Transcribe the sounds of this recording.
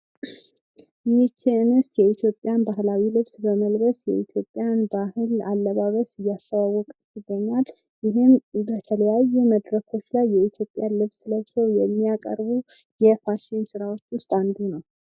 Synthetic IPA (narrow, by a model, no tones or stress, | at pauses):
jɪt͡ʃʰːiɨnɨst̪jɛit̪ʰjo̞pʼːjanbahlawilɨβsbəməlbəsjɛ̰it̪ʰjo̞pʼːjanbahɨlalːəβaβəsɨjːast̪əwawːɔkʼ | ɪd̪ːəɲːal | jɪɦɪnbət̪ʰələjajːuməd̪ɾəkʰo̞t͡ʃːlajːɛit̪ʰjo̞pʼjanlɨβsɨləβsəwjɛmːijakʼə̰ɾbu | jɛfaʃɪnsɨɾawo̞t͡ʃːwʊst̪ʼand̪unəw